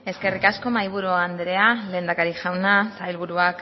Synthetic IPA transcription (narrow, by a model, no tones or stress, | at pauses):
e̞ske̞rikasko̞majβ̞uɾuand̪ɾe̞ale̞ːnd̪akaɾiʝawnasajlβuɾuak